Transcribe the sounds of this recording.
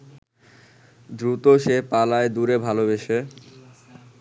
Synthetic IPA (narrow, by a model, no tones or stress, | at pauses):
d̪ɾut̪oʃepalaed̪uɾebʱalobeʃe